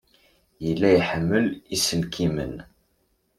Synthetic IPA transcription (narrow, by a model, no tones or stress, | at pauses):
jəlːæjħəmːəlisəlkʰimə̰n